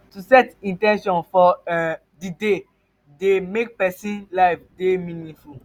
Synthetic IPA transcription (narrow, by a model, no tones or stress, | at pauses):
tusɛtĩntɛ̃nʃɔ̃nfɔɛ | dide | demek̚pɛsĩnlaɪfdemĩnĩnful